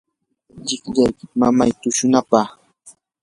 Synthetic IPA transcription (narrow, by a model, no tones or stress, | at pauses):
ʎɪkʎajkɪmama̰jt̪ʊʃʊnapɑχ